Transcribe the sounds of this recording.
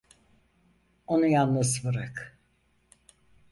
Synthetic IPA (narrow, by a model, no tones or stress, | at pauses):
onujanːasvɯɾak